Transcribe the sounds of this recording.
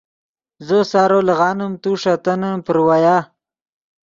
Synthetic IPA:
zosɑːɾoləɣɑːnəmt̪uʂat̪anapəɾwajaː

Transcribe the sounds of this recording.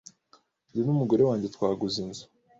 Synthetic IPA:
ndinumuɡo̞ɾe̞waːɲɟetwaːɡuzinzu̥

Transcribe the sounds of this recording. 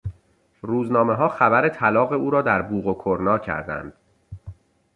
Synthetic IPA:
ruːznɒːme̞ɦɒːxæbæɾet̪ʰælɒːɣe̞uːɾɒːd̪æɾbuːɣokʰoɾnɒːcʰæ̰ɾd̪æ̰nd̪̥

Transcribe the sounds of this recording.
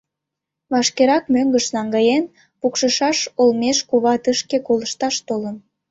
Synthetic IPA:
βɑʃkeɾɑk̚møŋɡəʃnɑŋɡɑjen | pukʃəʃɑʃolmeʃkuβɑt̪əʃkekoləʃt̪ɑʃt̪olən

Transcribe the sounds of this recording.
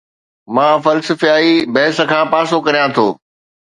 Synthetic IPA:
mãːfɐlsəfijaːibɐɦɪsə̆kʰãːpãːsokɐɾijãt̪ʰo̰ː

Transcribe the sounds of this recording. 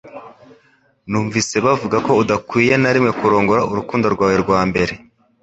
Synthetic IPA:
nuːɱvise̞βavuɡako̞udakwiːje̞naɾimŋe̞kuɾo̞ːŋɡo̞ɾauɾukuːndoɾɡwaːweɾɡwaːmbe̞ɾe̞

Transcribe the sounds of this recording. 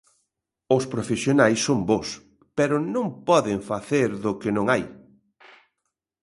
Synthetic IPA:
ʊspɾofesjonajsːombos | pɛɾʊnõŋpɔðɪɱfaθeɾðʊkɪnõŋaj

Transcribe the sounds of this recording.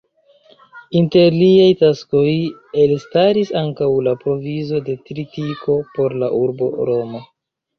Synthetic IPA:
inte̞ɾliajtasko̞je̞lstaɾisaŋkawlapɾo̞vizo̞de̞tɾitiko̞po̞ɾlaʔuɾbo̞̰ɾo̞ma

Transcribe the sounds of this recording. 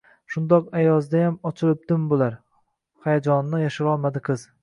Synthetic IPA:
ʃʊnd̪ɒqajɒzd̪ajamɒt͡ʃʰɪlˠɪp̚d̪ɪmbolaɾ | hajad͡ʒɒnːɪjaʃɪɾɒlˠmad̪ɪqʰɨz̥

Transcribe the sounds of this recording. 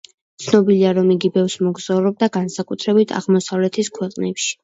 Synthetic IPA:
t̪sʰnɔbiliaɾɔmiɡibɛfsmɔɡz̥aɾɔb̚d̪aɡansakʼut̪ʰɾɛbit̪ʰa̰ʁmɔsavlɛt̪ʰiskʰwɛqʼnɛpʃi̥

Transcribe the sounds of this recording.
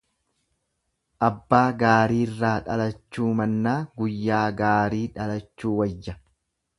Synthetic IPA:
ʔɐbːaːɡaːɾiːrːaːᶑɐlɐt͡ʃːuːmɐnːaːɡʊjːaːɡaːɾiːᶑɐlɐt͡ʃːuːwɐjːɐ

